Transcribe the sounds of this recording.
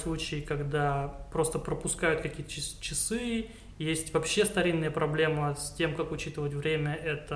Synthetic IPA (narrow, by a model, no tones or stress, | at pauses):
slˠut͡ɕɪːkɐɡd̪apɾo̞st̪əpɾəpʊskajʊt̪̚kɐkʲijət̪əɪst͡ɕɪsɨ | jesʲtʲvɐpɕːe̞st̪ɐɾʲinːɨjəpɾɐblʲe̞məsʲtʲe̞mkakʊt͡ɕit̪ɨvətʲvɾʲemʲəʔɛt̪ə